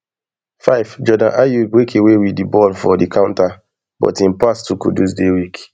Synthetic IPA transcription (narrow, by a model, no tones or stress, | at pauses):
faɪvd͡ʒɔdãnʔajubwekʰewewiddibɔlfɔdikʰãʊ̃nta | bɔ̰tĩnpastukṵdusdewik